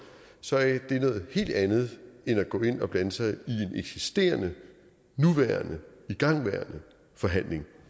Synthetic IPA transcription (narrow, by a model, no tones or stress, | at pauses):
sɒ̽æd̥e̝nɔ̽ːð̩ˠhe̝̰ːld̥ænð̞̩ˠenæɡ̥ɔ̰̽ːe̝n̰ɒ̽b̥lænəsɑ̈ɪie̝nʔeɡ̥sisd̥e̝̰ːɐnə | nuʋæɐnəiɡ̥ɑ̈ŋ̰ʋæɐnə | fɒ̽ɦæn̰le̝ŋ